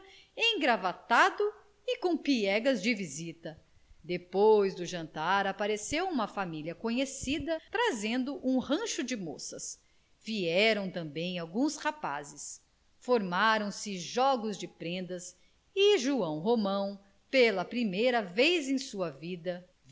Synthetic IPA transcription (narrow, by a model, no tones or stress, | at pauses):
ẽɡɾavat̪ad̪ʊ | ɪkõw̃piɛɡɐzd͡ʒɪvizit̪ɐ | d̪epojzd̪ʊʒɐ̃nt̪aɾapaɾesewũmɐfamiliɐkõɲesid̪ɐt̪ɾazẽnd̪ʊʔũhɐ̃ʃʊd͡ʒɪmo̰sɐs | viɛɾɐ̃w̃t̪ɐ̃mbẽj̃awɡũshapa̰zɪs | foɾmaɾɐ̃w̃sɪʒɔɡʊzd͡ʒɪpɾẽnd̪ɐs | ɪʒuɐ̃w̃ɦomɐ̃w̃ | pelɐpɾimejɾɐvejzẽj̃suɐvid̪ɐ